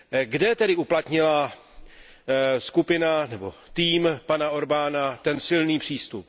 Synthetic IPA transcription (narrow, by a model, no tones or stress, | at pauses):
ɡdɛt̪ɛdɪuplat̪ɲɪla | skupɪnanɛbo̞̰t̪iːmpanao̞ɾbaːnat̪ɛnsɪlniːpr̥iːst̪up